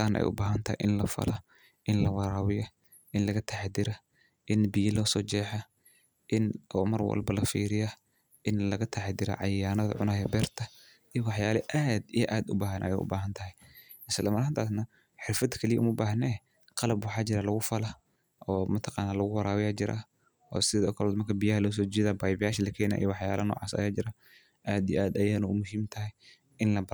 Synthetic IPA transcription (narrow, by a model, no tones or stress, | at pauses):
aːnʔɛ̰j̰ʔʊbaːɦɐnt̪ʰɐhɛ̰jʔɪnlɐfɐ̰lɐ | ʔɪnlɐwɑɾaːwɪjɐ | ʔɪnlɐɣɐt̪ʰaħd̪ɪɾɐ | ʔɪnbɪjɐlɔːsɔːt͡ʃɛːħɐ | ʔɪnʔɔːmɐrwɐ̰lbɐlɐfḭːɾɪjɐ | ʔɪnlɐɣɐt̪ʰaħd̪ɪɾɐ̰ʕɑjaːnɐðɐ̰ʕʊ̰naːjɛbɛːrt̪ʰɐ | ijɔwɑħjaːlɐʔaːd̪ijʔaːd̪ʊbaːɦɐnʔɐ̰jɛ̰jʔʊ̰baːɦɐnt̪ʰɐɦɛj | ʔɪslɐmɐɾhɐnt̪ʰaːs̬nɐ | ħɪrfɐd̪kʰɐlɪjɛʔʊ̰mʊbaːɦnɛː | qɑlɐbwɑħɑːt͡ʃɪɾɐlɐɣʊfɐlɐ | ʔɔːmɐt̪ʰɑqɑːnːaːlɐɣʊwɑɾaːwɪjaːt͡ʃɪɾʔɐ̰ | ɔ̰ːsɪðɔːkʰɐlɔːd̪mɐrkʰɐbijɐhɐlɐʊs̬ɔːd͡ʒɪːðaːbajbɪjaːʃɐlɐkʰɛːna̰ːʔḭjwɑħja̰ːlɐnɔ̰ːʕɑ̰ːsɐ̰jaːd͡ʒɪɾɐ | ʔaːd̪ijʔaːd̪ɐjaːnɐʊmʊɦiːmt̪ʰɐɦɛj | ʔɪnlɐ